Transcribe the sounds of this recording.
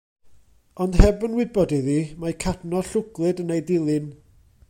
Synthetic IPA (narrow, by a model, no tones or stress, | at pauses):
ɔnd̥hɛbənwɪbɔdiðiːmakʰadnɔɬʊɡlˠɨdənejdɪlˠɨn